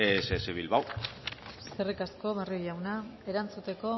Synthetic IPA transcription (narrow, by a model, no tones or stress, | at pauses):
eseseβilβaw | serekasko̞βaroʎawnae̞ɾant͡sut̪e̞ko̞